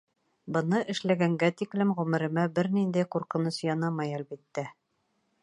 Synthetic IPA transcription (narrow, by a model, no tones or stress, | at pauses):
bɤ̆nɤʔɘ̆ʃlæɡæŋɡæt̪iklɘmʁʉmɘ̆ɾɘ̆mæbɘɾnind̪æjquɾqɤ̆nɤsjɒnɑmɑjælbit̪ːæ